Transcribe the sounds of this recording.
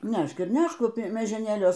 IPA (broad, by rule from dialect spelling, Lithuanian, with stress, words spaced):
ˈnʲɛʃk ɪr ˈnʲɛʃk mʲiɛʒʲɛˈnʲeːlʲuɔs